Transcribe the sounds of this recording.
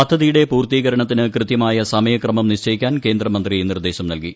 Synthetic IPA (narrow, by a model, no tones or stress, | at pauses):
pɐd̪ʱːɐðijuɽe̞puːrt̪iːɣɐɾɐɳɐt̪̬ːinɨkrɨt̪jɐmaːjɐsɐmɐjɐkrɐmɐmniɕt͡ɕɐjikʲːaːnke̞ːnd̪rɐmɐnd̪rinird̪e̞ːɕɐmnɐlki